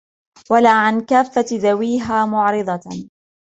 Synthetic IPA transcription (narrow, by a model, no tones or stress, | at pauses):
walaːʕankaːfːat̪ðawiːɦaːmʊʕɾɨd̪ˤɑ